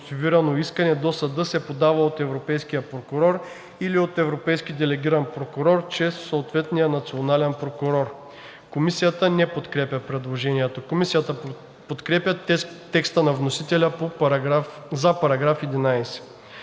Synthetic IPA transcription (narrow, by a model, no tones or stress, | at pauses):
t̪iviɾɐnoiskənɛd̪osɐd̪ɤsɛpod̪avəot̪ɛvɾopɛjsk̟ijəpɾokʊɾɔɾ | iliot̪ɛvɾopɛjskid̪ɛlɛɡʲiɾɐnpɾokʊɾɔɾt͡ʃɾɛsːoːt̪vɛt̪nijənɐt̪sionalɛnpɾokʊɾɔɾ | komisijət̪ənɛpot̪kɾɛpʲjəpɾɛd̪lˠoʒɛniɛt̪okomisijət̪ə | pot̪kɾɛpʲjət̪t̪ːɛkst̪ənɐvnosit̪ɛlʲəpoaf | zɐpɐɾɐɡɾafɛd̪inajsɛ̥